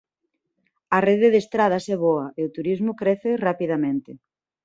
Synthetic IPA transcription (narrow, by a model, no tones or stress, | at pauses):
ɐreðeðest̪ɾað̞ɐsɛβɔɐʔeʊt̪uɾizmʊkɾeθerapiðamẽnt̪ɪ